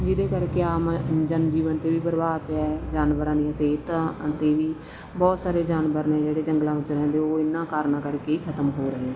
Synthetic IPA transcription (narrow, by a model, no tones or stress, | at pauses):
d͡ʒɪd̪eːkəɾkeːaːmd͡ʒənd͡ʒiːʋənt̪eːʋiːbəɾbaːd̪peɛd͡ʒaːnʋəɾãːd̪ijãːseːt̪ãt̪eːʋiː | bɔːt̪saːɾeːd͡ʒaːnbəɾnẽːd͡ʒeːɽeːd͡ʒəŋɡlãːʋɪt͡ʃɾɛ̃ːnd̪eːoːɪnːãːkaːɾnãːkəɾkeːikʰət̪əmɦoːɾəɦeɛ̃ː